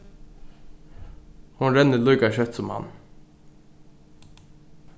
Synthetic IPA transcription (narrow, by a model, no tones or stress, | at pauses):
hʊnɾɛnəlʉʏkɑʃœt̪sɔmhɑ̰n